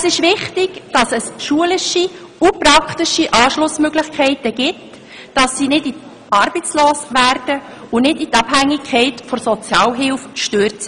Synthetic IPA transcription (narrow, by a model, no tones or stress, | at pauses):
əsɪʃʋɪχtɪɡ̥d̥ɑsɛsʃuəlɪʃi | upɾɑkχtɪʃiʔɑːʃlʊsmøɡlɪχkʰɛɪtəɡ̥ɪt | d̥ɑsːinɪdit | ɑːɾbət͡sloːsʋæːɾd̥ə | ʊnɪditɑb̥hæŋːɪkʰɛɪtfɔsɔt͡sjɑːwɦɪwfʃtøːɾtt͡s